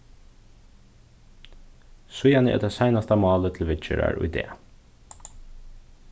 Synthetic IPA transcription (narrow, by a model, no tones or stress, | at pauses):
sʊjɑnəḛːd̪ɛːsæɪnɑst̪ɑmɑːlət̪ʰl̩ʋɪt͡ʃəɾæ̰ɹʊʉ̰ɪd̪ḛː